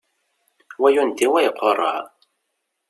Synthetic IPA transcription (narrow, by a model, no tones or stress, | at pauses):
wæjund̪iwæjəqʷːorˤːə̰ʕ